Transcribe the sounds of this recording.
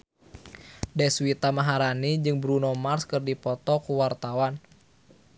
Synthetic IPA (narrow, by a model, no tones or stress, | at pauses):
dɛswit̪amaɦaɾanid͡ʒɨŋbɾunɔmarskɨrdipɔt̪ɔkuwart̪awan